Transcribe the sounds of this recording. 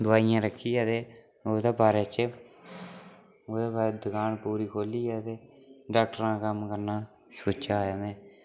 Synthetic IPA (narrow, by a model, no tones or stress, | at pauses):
d̪ʊaːijãːɾəkʰːiːɛːt̪eː | oːd̪eːbaːɾeːt͡ʃə | oːd̪eːbaːɾeːd̪əkaːɳpuːɾiːkʰoːliːɛːt̪eː | ɖaːk̚ʈəɾãːkəmkəɾnaː | soːt͡ʃajaːmɛ̃ː